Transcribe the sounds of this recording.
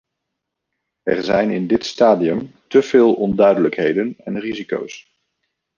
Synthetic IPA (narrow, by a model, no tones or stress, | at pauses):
ɛ̰ɹzɛjnɪndɪtstaːdiəmtəv̥ɪːlˠɔndœɥdələkɦejdənɛnriziko̰ws